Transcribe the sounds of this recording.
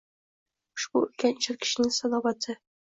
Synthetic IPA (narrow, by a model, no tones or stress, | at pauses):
ʃbuɵ̰̆lkænɕɘ̆ɾkɘ̥̆ɕɘ̆nɘŋsɒnɑvɑt̪ʰɤ